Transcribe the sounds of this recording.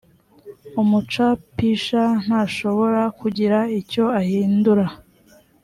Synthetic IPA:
umut͡ʃapiʃan̥haʃo̞βo̞ɾakuɟiɾaico̞ahiːnduɾa

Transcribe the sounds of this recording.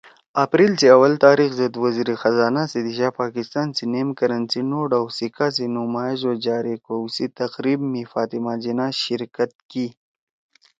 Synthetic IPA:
ɐpɾiːlsiɐwɐlt̪aːɾixzɐd̪wɐziɾixɐzaːnasid̪iʃapaːkɪst̪aːnsineːmkɐɾɐnsinoɖawsikas̬inʊmaːezod͡ʒaːɾikowsit̪ɐqɾiːbmifaːt̪imad͡ʒinaʃɪɾkət̪̚ki

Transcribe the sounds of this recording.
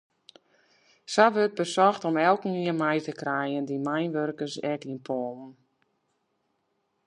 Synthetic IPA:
saʋøt̚bəsɔxtɔmɛlˠkn̩iənmɛjtəkrɛjəndimajnʋørkəsɛkiənpʰɔːlˠn̩

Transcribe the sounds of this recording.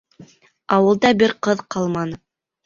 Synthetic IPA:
ɑwɤ̆lˠd̪ɑbɪɾqɤðqʰɑlˠmɑnɤ

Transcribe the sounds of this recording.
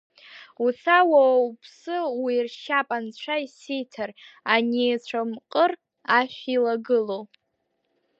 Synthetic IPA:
usawaupʰsɨwirʃapʼant͡ɕʷʰaisijtʰaranit͡ɕʷʰamqʼər | aʃʲᶣilaɡɨlow

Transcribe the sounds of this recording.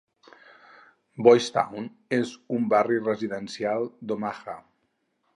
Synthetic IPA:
bɔjst̪a̰wn | ezumbarirəziðənsialˠd̪omaxa

